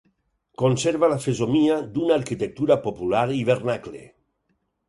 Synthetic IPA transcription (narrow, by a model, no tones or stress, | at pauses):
konseɾβalafezomiad̪unaaɾkit̪ek̚t̪uɾapopulaɾiβ̞eɾnaklḛ